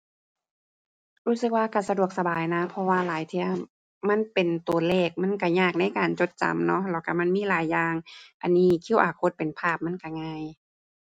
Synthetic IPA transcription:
ɾuː˧˥sɯ˧k̚waː˧ka˧˩sa˧du˨˩ək̚sa˧baː˨˩jna˦˥pʰɔ˧waː˧laː˨˦jt̪ʰi˧ɐ | ma˧˥˨npe˨nt̪u˨˩ɐlɛː˧˩k̚ma˧˥˨nka˧˩ɲaː˧˩k̚na˧˥˨jkaː˨nt͡ɕo˧˦t̪̚t͡ɕa̰˨mnɔ˧˥lɛː˧˩ka˧˩ma˧˥˨nmiː˧˥˨laː˨˦jːaː˧ŋʔa˨nːiː˧˥kʰi˧˥˨wʔaː˨˩kʰo˧˥t̪̚pe˨npʰaː˧˩p̚ma˧˥˨nka˧˩ŋaː˧j

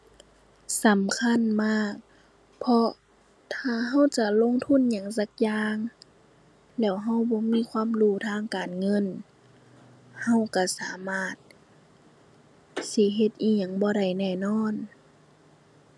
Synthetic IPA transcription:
sa˨˦mkʰa˧˥˨nmaː˧˥˩k̚ | pʰɔ˧ | t̪ʰaː˧˩ɦa˧˥˨wt͡ɕa˧lo˧˥˨ŋt̪ʰu˧˥˨nɲa˧˩˨ŋsa˧˦k̚jaː˧ŋ | lɛː˧˩wɦa˧˥˨wbɔː˧˦miː˧˥˨kʰwaː˧˥˨mduː˧˩˨t̪ʰaː˧˥˨ŋkaː˨nŋɤ˧˥˨n | ha˧˩˨wka˧˩saː˨˦maː˧˥˩t̪̚ | si˧˦ɦe˧t̪̚ʔiː˧˩ɲa˧˩ŋbɔː˧˦ɾa˧˩jnɛː˧˩nɔː˧˥˨n

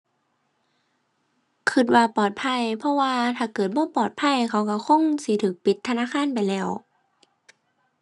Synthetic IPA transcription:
kʰɯ˧˩t̪̚waː˧pɔː˨˩t̪̚pʰa˧˥˩jpʰɔ˧˥waː˧t̪ʰaː˧˩kɤː˨˩t̪̚bɔː˧˥˨pɔː˨˩t̪̚pʰa˧˥˩jkʰa˧˦wka˧˩kʰo˧˥˨ŋsi˧˦t̪ʰɯː˨˦k̚pi˧˦t̪ʰːa˧naː˧˥˨kʰaː˧˥˨npa˨jlɛː˧˩w

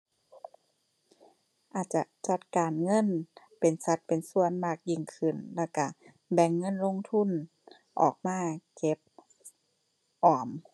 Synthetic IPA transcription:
ʔaː˨˩t̪̚t͡ɕa˧˩t͡ɕa˧˦t̪̚kaː˨˩nŋɤ˧˥˨n | pe˨˩nsa˧˦t̪̚pe˨nsu˧˩ənmaː˧˩k̚ji˧˩ŋkʰɯ˧˩nlɛː˧˩wka˧˩ | bɛ˨˧˩ŋːɤ˧˥˨nlo˧˥˨ŋt̪ʰu˧˥˨n | ʔɔ̰ː˨˩k̚maː˧˥˩ke˧˦p̚ | ʔɔː˨˩m

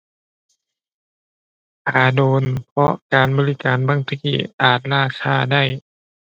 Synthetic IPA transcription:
ʔʰaː˨˩doː˨˧nnpʰɔ˧˥ʔkaː˨nbɔː˧li˧˩kaː˨nbaː˧˥˨ŋt̪ʰa˧ki˧˩ʔaː˨˩t̪̚laː˧˥˩kʰaː˧˥˩da˥˩j

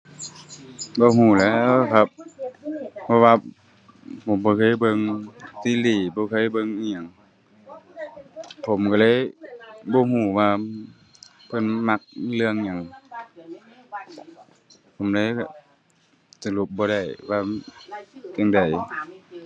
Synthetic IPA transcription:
bɔː˧˦ɦuː˧˩lɛː˧˥˧kʰa˧˥p̚ | pʰɔ˧waː˧ | pʰo˨˦mbɔː˧˦kʰɤː˧˥˨jbɤ˧˨ŋt̪iː˧˥˨liː˧˩bɔː˧kʰɤ˧˥˨jbɤ˧˨ŋː˧ɲa˨˧˩ŋ | pʰo˨˦mka˧˩la˧˥˨jbɔː˧˦ɦuː˧˩waː˧ | pʰɤ˧˥˨nma˧˥k̚lɯ˧əŋɲa˧˩˨ŋ | pʰo˨˦mla˧˥˨ja˧˩ | sa˧lu˧˦p̚bɔː˧ɾa˧˩jʋaː˧ | ɲa˧˨ŋda˨˩j

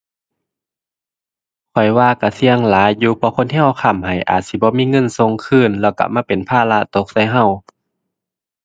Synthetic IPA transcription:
kʰɔ˨˩jwaː˧ka˧˩si˧əŋlaː˨˦jjuː˧pʰɔ˧kʰo˧˥˨nhʰi˧˥˨ə˨wkʰa˧˩˨mha˨˩jʔa̰ː˨˩t̪̚si˧˩bɔː˧˦miː˧˥˨ŋɤ˧˥˨nso˧˥ŋkʰɯː˧˥˨nlɛː˧˩wka̰˧˩maː˧˥˨pe˨npʰaː˧˨la˧t̪o˧˦k̚sa˧˥˨jɦa˧˩˨w

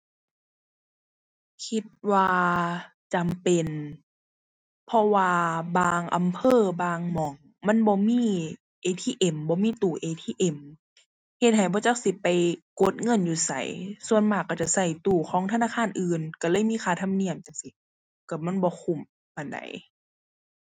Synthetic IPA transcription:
kʰi˧˦t̪̚waː˧ | t͡ɕa˨mpe˨n | pʰɔ˧waː˧baː˧ŋʔa˨mpʰɤː˧˥˨baː˧ŋmɔ˨˦ŋ | ma˧˥˨nbɔː˧˦miː˧˥˨ | ʔeː˧t̪ʰiː˧˥˨ʔe˨˩mbɔː˧˦miː˧˥˨t̪uː˨˩ʔeː˧˨t̪ʰiː˧˨ʔe˧˩m | he˧t̪̚ɦa˨˩jbɔː˧˦t͡ɕa˧˨wsi˧˦pa˨jko˧˦t̪̚ŋɤ˧˥˨njuː˧˩sa̰˨˦jsu˧ənmaː˧˩kːa˧˩t͡ɕa˧˩sa˧˩jt̪uː˨˩kʰɔː˨˦ŋt̪ʰa˧naː˧˥˩kʰaː˧˥˨nʔɯː˨˧˨nka˧˩lɤː˧˥˨jmiː˧˥˨xʰaː˧˩t̪ʰa˧˥˨mni˧˩əmt͡ɕa˨˧˩si˧˦ | ka˧˩ma˧˥˨nbɔː˧˦kʰu˧˩˨m | pa˨˩nda̰˨˦j

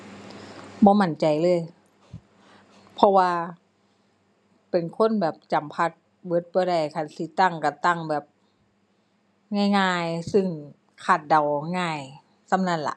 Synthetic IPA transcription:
bɔː˧˦ma˧˩nt͡ɕa˨˩jlɤː˧˥˨j | pʰɔ˧waː˧ | pe˨˩nkʰo˧˥˨nbɛː˨˩p̚t͡ɕa˨˩mpʰa˧t̪̚ | bɤː˧˦˥t̪̚bɔː˧˦ɾa˧˩jkʰa˧˩nsiː˧˦t̪a˧˨ŋka˧˩t̪a˧˩ŋbɛː˨˩p̚ | ŋaː˧˩˨jŋaː˧˩˨jsɯ˧˩ŋ | kʰaː˧˨˩t̪̚da˨˩wŋaː˧˩j | sa˧˨mna˧˩˨nla̰˧˦ʔ

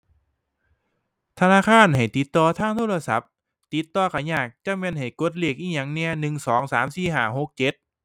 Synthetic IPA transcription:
t̪ʰa˧naː˧˥˨kʰaː˧˥˨nha˨˩jt̪i˨˦t̪ːɔː˧t̪ʰaː˧˥˩ŋt̪ʰoː˧˥˩la˧sa̰˨˦p̚ | t̪i˨˩t̪ːɔː˧kʰa˨˧˩ɲaː˧˩k̚t͡ɕa˧˥me˧˥˨nha˨˩jko˧˥˦t̪̚li˧˩ək̚ʔiː˧˩ɲa˨˩ŋni˧ənɯ˨˩ŋsɔː˨˩˦ŋsaː˩˦msiː˧˩ɦaː˧˩ho˨˧˩k̚t͡ɕe˧˦t̪̚

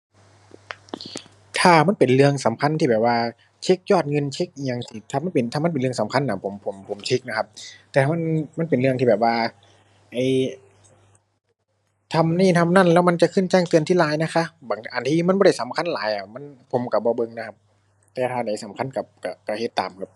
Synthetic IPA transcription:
t̪ʰaː˧˩ma˧˥npe˨nlɯ˧əŋsa˩˦mkʰa˧˥˨nt̪ʰiː˧bɛː˨˩p̚waː˧ | t͡ɕʰe˦˧˥k̚jɔː˧˩t̪̚ŋɤ˧˨nt͡ɕʰe˦˧˥k̚ʔi˧˩ɲa˧ŋsiː˧˩t̪ʰaː˧˩ma˧˥˨pe˨nt̪ʰaː˧m˧˥˨npe˨˩nlɯ˧əŋsa˨˦mkʰa˧˥˨nːʔa˧˨˩pʰo˨˦mpʰo˩˦mpʰo˨˩˦mt͡ɕʰe˧˦˥k̚na˧˥kʰa˧˥p̚t̪ɛː˧˩tʰa˧ma˧˥˨nma˧˥˨npe˨nlɯ˧əŋt̪iː˧˩bɛː˨˩p̚waː˧ | ʔa˧˩j | t̪ʰa˧mniː˧˩˨t̪ʰa˧˥m̚na˧˥˨nlɛː˧˥wma˧˥nt͡ɕa˧˨kʰɯ˧˥˩nt͡ɕɛː˧˩ŋt̪ɯ˧ənt̪ʰiː˥˨laː˨˦jna˧˥kʰa˧˥baː˨˦ŋʔa˨˩nt̪ʰiː˧˨ma˧˥˨nbɔː˧da˧˩jsa˨˦mkʰa˧˥˨nlaː˨˦jʔa˧˩ma˧˥˨npʰo˨˦mka˧˩bɔː˧˦bɤ˧ŋna˧kʰa˧p̚ | t̪ɛː˧t̪ʰaː˧˩da˨˩˦jsa˨˦mkʰa˧˥˨nka˧˩p̚ka˧˩ka˧˩he˧t̪ːa̰ː˨mkʰa˧˥p̚

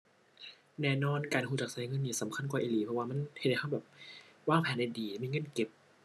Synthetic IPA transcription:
nɛː˧˨nɔː˧˥˩nkaː˧nhuː˧˩t͡ɕa˨˩k̚saː˨˦jŋɤ˧˥˨nːiː˧˩˨sa˨˦mkʰa˧˨nkwaː˨˩ʔiː˨˧˨liː˨˩pʰɔ˧waː˧ma˧˥˨nht̪̚da˧˩ka˧˥˩bɛː˨˩p̚waː˥˩ŋpʰɛː˨˦nda˧jdiː˨˩miː˧˨ŋɤ˧˥˨nke˨˩p̚

